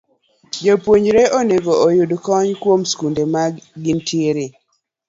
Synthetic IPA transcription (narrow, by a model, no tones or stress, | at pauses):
d͡ʒopwoɲd͡ʒɾeʔoneɡoojudkɔɲkwomskundemaɡɪntʰieɾe